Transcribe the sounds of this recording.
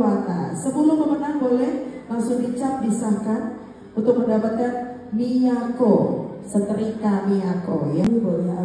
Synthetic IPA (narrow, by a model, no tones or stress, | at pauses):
at̪a̰səməlʊməmənahbolɛhlaŋsʊdit͡ʃap̚disakan | unt̪ʊk̚məndapat̪̚kan | miako | sət̪əɾikamiako̰jabolɛa